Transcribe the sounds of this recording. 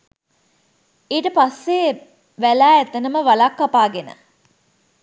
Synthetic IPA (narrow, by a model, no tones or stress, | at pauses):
eːʈəpasːe | ʋælæːæt̪ənəməʋalakːapaːɡenə̰